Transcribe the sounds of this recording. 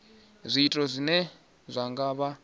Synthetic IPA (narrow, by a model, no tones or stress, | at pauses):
zʷiːtʼɔzʷinɛ | zʷaŋɡaβa